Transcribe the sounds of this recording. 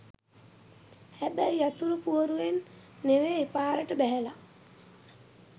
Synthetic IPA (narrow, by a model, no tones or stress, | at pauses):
hæbæjjat̪uɾupuoɾuʋenː | eʋeːpaːɾəʈəbæɦæla